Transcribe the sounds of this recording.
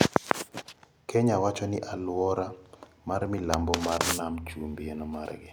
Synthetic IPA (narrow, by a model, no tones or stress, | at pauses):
kʰɛɲawat͡ʃɔnɪʔalwɔɾa | marmɪlambɔmarnamt͡ʃumbienɔmaɾɡɪ̰